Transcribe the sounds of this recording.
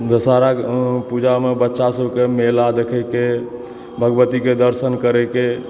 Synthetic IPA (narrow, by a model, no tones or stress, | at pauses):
d͡ʒəsaɾapud͡ʒamebətːʃasəbʱkemelad̪ekʰəke | bʱəɡbət̪iked̪əɾsənkəɾɛke